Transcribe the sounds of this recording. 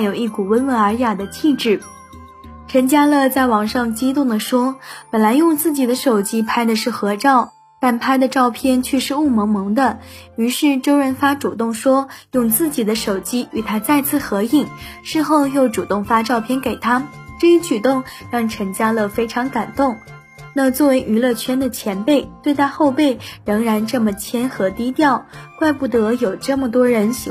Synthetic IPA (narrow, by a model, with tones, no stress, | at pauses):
jo˨˩ʊi˥˩ku˨˩wə˥nwə˧˥nə˞˧˥ja˨˩d̪ə˦t͡ɕʰi˥˧ʈ͡ʂɻ̩˥˩ | ʈ͡ʂʰə˧˥ŋt͡ɕja˥lə˥˧t͡sa˥˩ɪwɑ˧˥ŋʂɑ˥˧ŋt͡ɕi˥t̪ʊ˥˩ŋd̪ə˩ʂwɔ˥pə˨˩nla˧˥ɪjʊ˥˧ŋt͡sɹ̩˥˩t͡ɕi˨˩d̪ə˦ʂo˨˩ʊt͡ɕi˥pʰa˥ɪd̪ə˨ʂɻ̩˥˩xɤ˧˥ʈ͡ʂɑ˥˩ʊ | t̪a˥˩npʰa˥ɪd̪ə˨ʈ͡ʂɑ˥˧ʊpʰjɛ˥˩nt͡ɕʰɥɛ˥˧ʂɻ̩˥˧u˥˩mɤ˧˥ŋmɤ˧˥ŋd̪ə˧y˧˥ʂɻ̩˥˩ʈ͡ʂo˥ʊɻə˧˥nfa˥ʈ͡ʂu˨˩t̪ʊ˥˩ŋʂwɔ˥jʊ˥˧ŋt͡sɹ̩˥˩t͡ɕi˨˩d̪ə˦ʂo˨˩ʊt͡ɕi˥y˨˩t̪ʰa˥t͡sa˥˧ɪt͡sʰɹ̩˥˩xɤ˧˥i˥˩ŋʂɻ̩˥˧xo˥˧ʊjo˥˩ʊʈ͡ʂu˨˩t̪ʊ˥˩ŋfa˥ʈ͡ʂɑ˥˧ʊpʰjɛ˥˧nke˨˩ɪt̪ʰa˥ʈ͡ʂɤ˥˩i˧˥t͡ɕʰy˨˩t̪ʊ˥˧ŋɻɑ˥˩ŋʈ͡ʂʰɤ˧˥ŋt͡ɕja˥lə˨fe˥ɪʈ͡ʂʰɑ˧˥ŋka˨˩nt̪ʊ˥˩ŋ | na˥˧t͡swɔ˥˩we˧˥ɪʔy˧˥lɤ˥˩t͡ɕʰɥɛ˥nd̪ə˨t͡ɕʰjɛ˧˥npe˥˩ɪt̪we˥˧ɪt̪ʰa˥xo˥˧ʊpe˥˩ɪɻɤ˧˥ŋɻa˧˥nʈ͡ʂɤ˥˩mə˩t͡ɕʰjɛ˥nxɤ˧˥t̪i˥t̪jɑ˥˩ʊkwa˥˧ɪpu˥˩t̪ɤ˧˥jo˨˩ʊʈ͡ʂə˥˩mə˩t̪wɔ˥ɻə˧˥nɕ